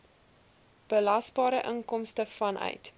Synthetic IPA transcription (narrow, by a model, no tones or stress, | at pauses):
b̥əlɐsbɑːɾəʔəŋkɔmstəfɐnʔœ̰ɥt